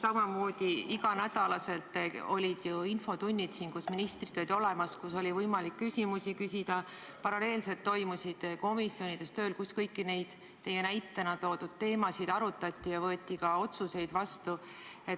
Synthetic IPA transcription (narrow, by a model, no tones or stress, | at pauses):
sɑmɑmo̞ːd̪̥iiɡɑnæd̪̥ɑlɑse̞lt̪ːˑo̞̰lʲid̪̥juinfo̞t̪unʲːid̪sinkusminist̪rid̪̥olʲd̪ʲt̪ʲo̞lemɑskuso̞lʲivɤjmɑlikːysʲimusikysʲid̪̥ɑ | pɑɾɑle̞ːlset̪ːo̞jmusid̪̥ko̞misːjo̞nid̪̥e̞st̪ø̞ːlkuskɤjkːine̞jd̪̥ | t̪ːe̞je̞næjt̪ːenɑt̪o̞ːd̪̥ud̪̥̚t̪e̞ːmɑsid̪̥ɑɾut̪ːˑɑt̪ʲːˑijɑvɤeːt̪ʲˑːikɑo̞t̪suse̞jd̪̥vɑst̪u | e̞t̪